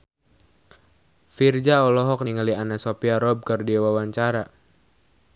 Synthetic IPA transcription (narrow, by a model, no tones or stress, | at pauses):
fird͡ʒaɔlɔɦɔk̚niŋalianasopiaɾɔb̚kərdiwawaɲt͡ʃaɾa